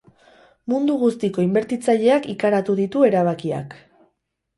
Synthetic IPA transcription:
mund̪uɣust̪iko̞imbe̞ɾt̪it͡saʎe̞akikaɾat̪uðit̪ue̞ɾaβ̞akia̰k

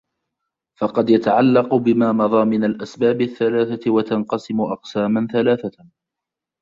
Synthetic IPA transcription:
fɑqɑd̪jat̪aʕalːɑqʊbɪmaːmɑðˤɑːmɪnalʔasbaːbɪθːalaːθatwat̪anqɑsɪmʊʔɑqsaːmanθalaːθa

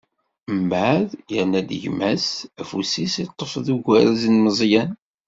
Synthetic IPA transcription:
mbaʕʕðjəɾnæd̪ʝmæsæfusisit̪ˤːofðuɡʷæɾæzənməzˤjæn

